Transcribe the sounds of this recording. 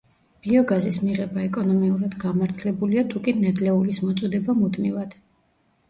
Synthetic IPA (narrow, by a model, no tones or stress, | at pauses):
b̥iɔɡazismiʁɛbaɛkʼɔnɔmiuɾad̪̥ɡamaɾt̪ʰlɛbuliat̪ʰukʼinɛd̪lɛulismɔt̪sʼɔd̪ɛbamud̪mivad̪̥